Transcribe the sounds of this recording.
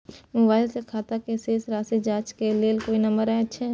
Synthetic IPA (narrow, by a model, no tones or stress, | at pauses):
mʊbaːɪlsekʰaːt̪akeseːsɾaːsid͡ʒaːt͡ʃkeleːlkoːinɐ̃mbəɾɛətːʃʰe